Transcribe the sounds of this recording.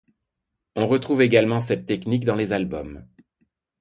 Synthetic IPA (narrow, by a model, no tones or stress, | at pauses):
ɔ̃ʁət̪χuveɡalmɑ̃sɛt̪ːɛknikd̪ɑ̃lezalbɔm